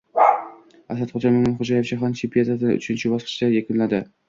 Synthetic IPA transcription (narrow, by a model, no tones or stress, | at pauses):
asat̪χod͡ʒamɪmɪnχʊd͡ʒajefʃʰaɦant͡ʃʰɪmpʰijad̪ad̪ɪnʊ̰t͡ʃʰɪnt͡ʃʰɪbɒsqʰɨ̥ʃlajekʲʊnlad̪ɪ